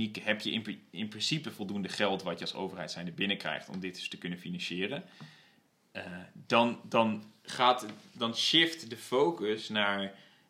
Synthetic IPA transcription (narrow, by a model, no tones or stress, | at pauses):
ikɦɛpjəʔɪnɪnprɪnsipəvɔlˠdundəχɛlˠtʋɑtjəɑlso̰wvərɦɛjtsɛjndəbɪnəkrɛ̰jχtɔ̰mdɪtdstəkɵnəfinɑnʃɪːrən | ədɑndɑnχaːtdɑnʃɪftdəfowkəsnaːɹ